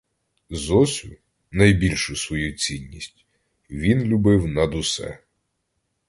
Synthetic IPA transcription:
zɔsʲʊ | nɐjbʲilʲʃʊsʋɔjut͡sʲinʲːisʲtʲ | ʋʲinlʲʊbɪwnɐd̪ʊsɛ̰

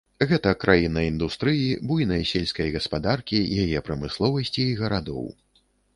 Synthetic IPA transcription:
ɣɛt̪ɐkɾʔajinɐind̪ust̪ɾɨjibujnɐjsʲɛlʲskɐjɣɐspad̪arkʲijajɛpɾɐmɨslˠɔvɐsʲt͡sʲiːɣɐɾad̪ɔ̰w

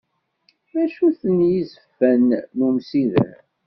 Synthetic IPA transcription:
mæʃuθənjizəfːænːumsiðə̰

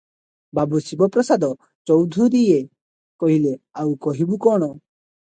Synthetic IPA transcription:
babusibɔpɾɔsad̪ɔ | t͡ʃɔwd̪ʱuɾie | kɔɦileawkɔɦibukɔɽ̃ɔ

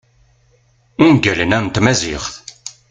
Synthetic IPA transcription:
ʊnɡælənænt̪mæziχθ

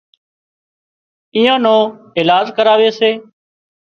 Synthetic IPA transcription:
iːãːnõː | ɪːlaːd͡ʒkəɾaːʋeːseː

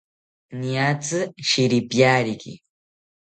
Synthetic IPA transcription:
niat͡sɨʃiɾipjaɾikɪ̰

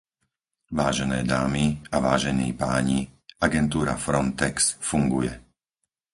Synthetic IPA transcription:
ʋaːʒɛnɛːd̪aːmiaʋaːʒɛniːpaːɲiaɡɛnt̪uːɾa̰fɾɔnt̪ɛksfuŋɡujɛ

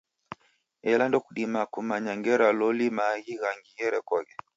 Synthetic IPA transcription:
ɛlandɔkuɗimakumaɲaŋɡɛɾalɔlimaɣiɣaŋɡijɛɾɛkɔɣɛ

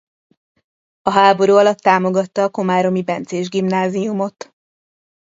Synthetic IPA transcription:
ɒɦaːbo̞ɾuːɒlɒt̪ːaːmo̞ɡɒt̪ːɒːko̞maːɾo̞mibɛnt̪seːʒɡimnaːziumo̞t̪

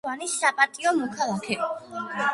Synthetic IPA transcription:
anisːapʼat̪ʼiɔmɔkʰalˠakʰɛ

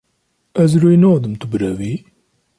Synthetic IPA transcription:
æzɾuinʊʁðəmt̪ubɾævi

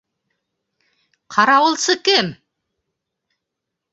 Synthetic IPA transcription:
qʰɑɾɑwɤlˠsɤkɘm

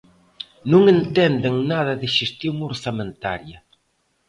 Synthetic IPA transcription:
nuŋent̪ɛnd̪eŋnaðɐðɪʃest̪juŋoɾsament̪a̰ɾjɐ

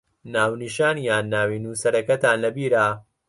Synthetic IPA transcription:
naːwniʃaːnjaːnːaːwiːnuːsɐɾɐkɐt̪ʰaːnlɐbiːɾaː

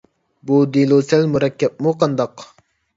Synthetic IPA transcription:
bud̪ilˠusælmuɾɑkʲːɛp̚muqʰɑnd̪ɑq

